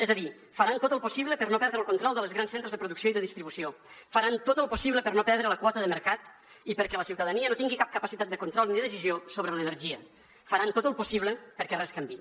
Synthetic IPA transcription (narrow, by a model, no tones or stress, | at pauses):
ɛzəði | fəɾant̪ot̪əlˠpusiβləpəɾnopɛɾðɾəlˠkunt̪ɾɔlˠd̪əlˠzɣɾansent̪ɾəzðəpɾuðuksioiðəðist̪ɾiβusiofəɾant̪ot̪əlˠpusiβ̞ləpəɾnopɛɾðɾələkwɔt̪əðəməɾkat̪ | ipəɾkɛləsiwt̪əðəniənot̪iŋɡikap̚kəpəsit̪at̪̚d̪əkunt̪ɾɔlˠniðəðəsiziosoβɾələnəɾʒiə | fəɾant̪ot̪əlˠpusiβləpəɾkɛrɛskəmbi